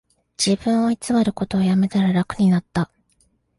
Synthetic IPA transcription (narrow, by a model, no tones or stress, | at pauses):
d͡ʑibɯ̟̃ɰ̃o̞it͡sɨβaɾɯ̟ko̞t̪o̞ːjame̞t̪aɾaɾakɯ̟ɲ̟inat̪ːa